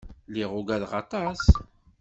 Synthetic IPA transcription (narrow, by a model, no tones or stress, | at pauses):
liʁʊɡæðʁɑt̪ˤɑs